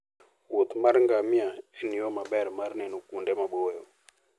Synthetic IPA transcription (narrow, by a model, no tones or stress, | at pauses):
wot̪maɾŋɡamjaɛniɔmabɛɾmarnɛnukundɛmabojɔ